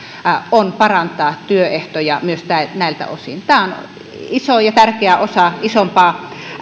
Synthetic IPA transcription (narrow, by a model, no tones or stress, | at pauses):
onpɑrɑnt̪ˑɑːt̪yøeht̪ojɑmyøst̪æˑenæˑilt̪æ̰o̰sḭnt̪æːon | isojɑt̪ærkeæʔosɑisompɑː